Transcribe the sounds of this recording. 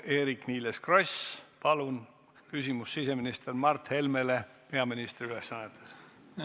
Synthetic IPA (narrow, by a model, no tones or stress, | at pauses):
eːɾikniːleskrospɑlun | kysʲimusːise̞minist̪ermɑrt̪he̞lme̞le̞pe̞ɑminist̪riyle̞sːɑnːet̪ːˑes